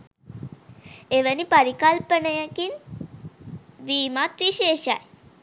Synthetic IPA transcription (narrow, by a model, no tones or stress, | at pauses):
eʋənipaɾikalpəɳəjəkin | ʋiːmat̪ɾiʃeʃa̰j